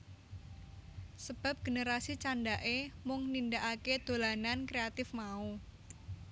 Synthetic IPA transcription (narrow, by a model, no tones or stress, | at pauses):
səb̥a̤p̚ɡ̥ə̤nəɾasit͡ʃandaʔemʊŋnindaʔaked̪̥o̤lanankɾeat̪ɪfmau